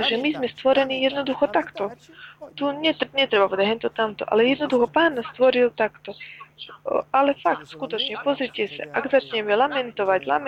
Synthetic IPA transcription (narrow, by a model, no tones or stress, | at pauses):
ʒɛmizmɛst̪ʋɔɾɛniːjɛd̪nɔd̪uxɔt̪akt̪ɔt̪uɲɛɲɛt̪ɾɛbapɔd̪aɦɛnt̪ɔt̪amt̪ɔ̰ʔa̰lɛjɛd̪nɔd̪uxɔpaːnast̪ʋɔɾilt̪akt̪ɔ | alɛfakt̪skut̪ɔt͡ʃɲɛpɔzɾicɛsa̰ʔaɡzat͡ʃɲɛmɛlamɛnt̪ɔʋaɟla̰m